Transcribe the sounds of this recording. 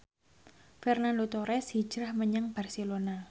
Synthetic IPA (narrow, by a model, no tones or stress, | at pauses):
kɛrnanlut̪oɾɛshi̥d͡ʒ̥ɾahməɲəŋb̥a̤rselona